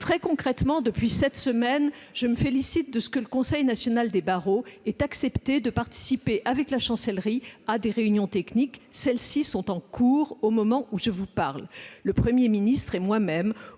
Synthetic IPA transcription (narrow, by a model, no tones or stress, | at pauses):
t̪χɛkɔ̃kχɛt̪mɑ̃d̪əpɥisɛt̪səmɛn | ʒ̥əməfelisit̪̚d̪əsə̥kələkɔ̃sɛjnasjɔnald̪ebaʁoɛt̪aksɛpt̪ed̪əpaʁt̪i̥sipeʔavɛklaʃɑ̃sɛlʁiad̪eʁeynjɔ̃t̪ɛkniksɛlsisɔ̃t̪ɑ̃kuːʁomɔmɑ̃ʔuʒəvupaʁlləpχəmjeminist̪χɛmwamɛm